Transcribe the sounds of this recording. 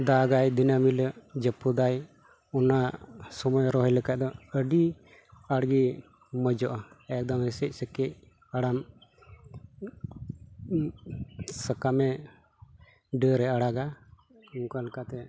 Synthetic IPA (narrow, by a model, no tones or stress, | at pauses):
d̪aɡajd̪inamilɛd͡ʒəpːud̪aj | ɔnasɔmɔjɾɔɦɔjləkaʔ̚d̪ɔəɖi | aɽɡi | mɔd͡ʒɔʔaɛk̚d̪ɔmɛsɛc̚ˀsəkɛc̚ | aɽam | səkamɛ | ɖəɾɛaɽaɡa | uŋkaləkat̪ɛ